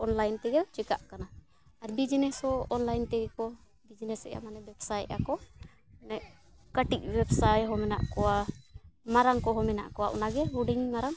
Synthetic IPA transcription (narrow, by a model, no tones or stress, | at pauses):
ɔnlajnt̪ɛɡɛt͡ʃika̰ʔkana | aɾbid͡ʒnɛshɔɔnlajnt̪ɛɡɛkɔ | bid͡ʒnɛsɛ̰ja̰manɛbɛbsajt̪̚ʔa̰kɔ | nɛʔ | kəʈik̚wɛbsajɦɔmɛna̰ʔkɔwa | maɾaŋkɔɦɔmɛna̰ʔkɔwaʔṵnaɡɛɦuɖiɲmaɾaŋ